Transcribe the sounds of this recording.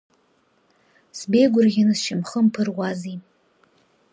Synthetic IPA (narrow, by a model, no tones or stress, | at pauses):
sbejɡʷʊrʁʲɪnɨzʃɪmχəmpʰɨrwazi